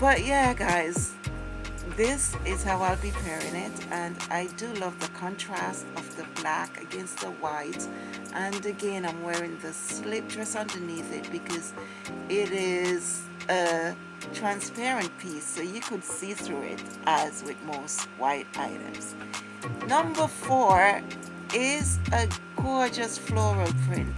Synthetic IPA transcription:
b̥ʌʔ̚jæɡaɪz̥ | ðɪsɪz̥haʊaɪlˠpipʰɛɹɪ̃ŋɪɾɨ̃naɪdɨlʌvðəkʰɑ̃ntʰɹ̥æstʌvðɨblækɨ̰ɡɛ̃nst̪̚ðəwaɪt | ʔɨ̃nɨɡɛ̃nãɪ̃mwɛɹɪ̃ŋðɨslɪp̚dɹ̥ɛsʌ̃ndə˞niθɪ̰t̚b̥ɨkʰʌz | ɪɾɪz | ə | tʰɹ̥æ̃nspɛɹɨ̃npʰisoʊjɨkʰɨd̥siθɹuɪ̰ɾ | ʔəzwɪðmoʊstwaɪɾa̰ɪɾɨ̰̃mz̥ | nʌ̃mbə˞fɔɹ | ɪzəkʰɔd͡ʒʌsflɔɹəpʰɹ̥ɪ̰̃nt

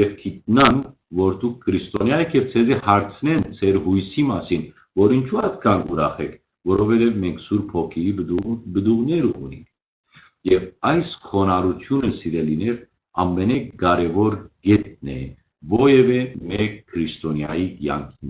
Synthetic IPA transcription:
jɛvkʰit̪̚nɑnvɔɾd̪uk̚ʰːəɾist̪ɔnjɑjɛkʰjɛvt͡sʰɛzihɑɾt͡sʰnɛnt͡sʰɛɾhujsimɑsin | vɔɾint͡ʃʰuɑt̪kʰɑnuɾɑχɛkʰ | vɔɾɔvɛt̪ɛvmɛŋkʰsuɾpʰɔkʰiib̪bəd̪uʁnɛɾəʔṵnḭŋk̚ʰ | jɛvɑjsχɔnɑɾut̪ʰjunəsiɾɛlinɛɾ | ɑ̰mːɛnɛɡɑɾɛvɔɾɡɛt̪̚nɛ̰ | vɔjɛvɛmɛk̚kʰːɾist̪ɔnjɑ̰jiɡjɑ̰ŋkʰin

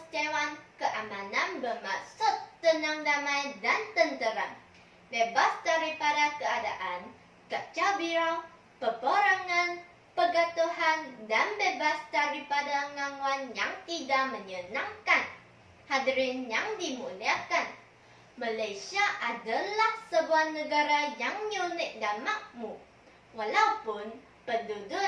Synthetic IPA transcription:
st̪ewankəʔamãnãnbəmasut̪ːənaŋdamajdant̪ənt̪əɾa̰n | bebasdaɾipadakəadaʔan | kət͡ʃalbiɾaw | pəboɾaŋan | pəɡat̪uhandanbebasdaɾipadaŋaŋuanjaŋt̪idaʔməɲənãŋkan | hadɾɪnjaŋdimuliakan | malajsiaʔadalahsəbuanəɡaɾajaŋɲunɪʔ̚damaʔ̚mu | walawpʊn | pəndudʊ

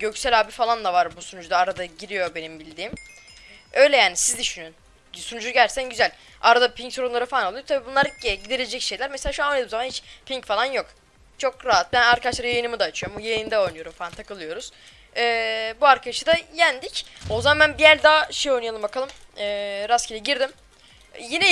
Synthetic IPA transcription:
ɟø̞csælʲaːbifalˠanlˠavaɾbusunud͡ʒd̪aːɾad̪aɟiɾijo̞be̞nimbilʲd̪iːm | ø̞jlʲɛjaːnisizd̪yʃynyn | sunud͡ʒuɟælsænɟyzælʲ | aɾad̪apʰiɲcsɾonlˠaɾɯfalˠanolˠujot̪ʰabiːbunˠaɾɯɟɟid̪elʲed͡ʒɛcʃe̞jlʲæɾmeselʲaːʃuanojned̪imzamanhit͡ʃpʰiɲcfalˠanjo̞k | t͡ʃʰo̞kɾaɦat̪̚bænaɾkʰad̪aʃlˠaɾjajɯnɯmɯd̪aːt͡ʃʰɯjoɾmujajɯnd̪ɛo̞jnujoɾumfalˠant̪ʰakɯlˠɯjo̞ɾuz̥ | ɛːbuaɾkʰad̪ʃɯd̪ajænd̪icozamːænbijæɾd̪aːʃejo̞jnɯjalˠɯmbakʰalˠɯmɯːɾascʰilʲiɟiɾd̪im | jinɛ

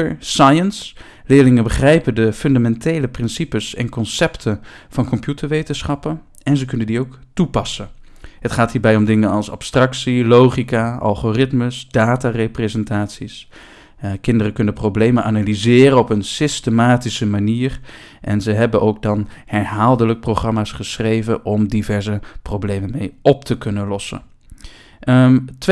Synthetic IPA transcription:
əɹsajəns | lɪːɹlɪŋənbəχrɛjpəndəfɵndamɛntejləprɪnsipəsɛ̰nkɔnsɛptʰən | v̥ɑnkɔmpjutəɹʋejtənsχɑpən | ɛnzəkɵnəndiowktupɑsən | ɦətχaːtɦiːɹbɛjɔmdɪŋənɑlˠsɑ̰pstrɑksilowχikaɑ̰lˠχorɪtməsd̥aːtareprezɛntaːtsis | kɪndərəkɵnəprowblejmənʔaːnalizɪːɾəɔpənsɪstəmaːtisəmaniːr | ʔɛnzəɦɛbənʔowɡ̚dɑnhɛɹɦaːlˠdələk̚prowχrɑmaːsχəsrejvənʔɔmdivɛɹzəprowblejmənmejɔp̚təkɵnənlɔsə̰ | t

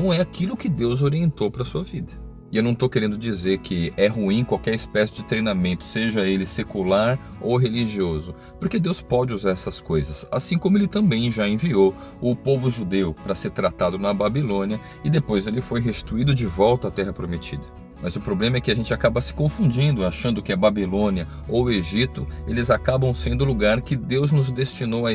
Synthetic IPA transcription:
nɐ̃w̃ɛakilʊkɪd̪ewzoɾiẽnt̪owpɾɐsuɐvid̪ɐ | ɪewnɐ̃w̃t̪owkeɾẽnd̪ʊd͡ʒizeɾkʰɪɛɦuĩkwawkɛɾispɛsɪd͡ʒɪt̪ɾejnamẽnt̪ʊ̥seʒɐelɪsekulaɾ | owɦeliʒiozʊ | pʊɾked̪ewspɔd͡ʒɪuzaɾɛsɐskojzɐsa̰sĩkõmʊelɪt̪ɐ̃mbẽj̃ʒaẽviow | ʊpovʊʒud̪ewpɾɐseɾt̪ɾat̪ad̪ʊnɐbabilõniɐ | ɪd̪epojzelɪfojɦesʃt͡ʃi̥t̪uid̪ʊd͡ʒɪvɔwt̪ɐːt̪ɛɦɐpɾomet͡ʃid̪ɐ̥ | mɐzʊpɾoblẽmɐɛkɪaʒẽnt͡ʃɪakabɐsɪ̥kõfũd͡ʒĩnd̪ʊaʃɐ̃nd̪ʊkɪɐbabilõniɐ | oweʒit̪ʊelɪzakabɐ̃w̃sẽnd̪ʊluɡaɾkɪd̪ewznʊzd̪est͡ʃinowɐ

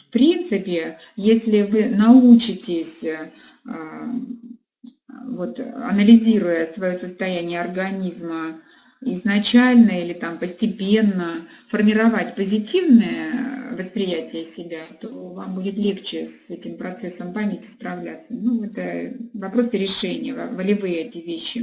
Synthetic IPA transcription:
fpɾʲint̪sɨpʲɪ | jesʲlʲɪvɨnɐut͡ɕɪtʲɪsʲ | vo̞t̪ɐ̰nəlʲɪzʲiɾʊjəsvɐjosəst̪ɐjænʲɪjəɐrɡɐnʲizmə | ɪznɐt͡ɕælʲnəilʲɪt̪ampəsʲtʲɪpʲe̞nːəfərmʲɪɾɐvatʲpəzʲɪtʲivnɨjəvəspɾʲɪjætʲɪjəsʲɪbʲat̪ovambudʲɪt̪lʲe̞kt͡ɕɪsɛtʲɪmpɾɐt̪sɛsːəmpamʲɪtʲɪ̥spɾɐvlʲat̪sːənuɛt̪əvɐpɾo̞sɨɾʲɪʂɛnʲɪjəv̰vəlʲɪvɨjəɛtʲɪvʲeɕːɪ

